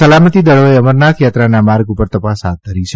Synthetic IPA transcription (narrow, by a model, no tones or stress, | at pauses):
əlamət̪id̪əɭoeəməɾnakʰjat̪ɾanamaɾɡupəɾt̪əpasɦa̰t̪̚d̪ʱəɾit͡ʃʰe